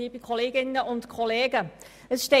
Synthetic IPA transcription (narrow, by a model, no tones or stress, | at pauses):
iːbəkʰɔleːɡɪnəʊntkʰɔleːɡə | əsʃte